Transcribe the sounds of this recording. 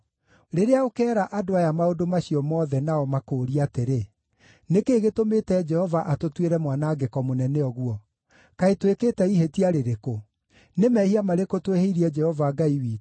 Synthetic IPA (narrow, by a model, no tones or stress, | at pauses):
ɾeɾeaokɛːɾaʔadoajamaodomaɕiɔmɔðɛnaɔmakoːɾiateɾe | nekeːɣetometɛd͡ʒɛhɔvaʔatotweɾɛmwanaɡekɔmonɛnɛɔɣwɔ | kaetwekeːtɛihetiaɾeɾeko | nemɛːhiamaɾekotweheiɾiɛd͡ʒɛhɔvaɡaiwiː